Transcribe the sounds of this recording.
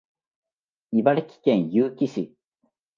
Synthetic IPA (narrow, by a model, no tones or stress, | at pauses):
ibaɾɯkʲi̥kẽɰ̃jɨːkʲiɕi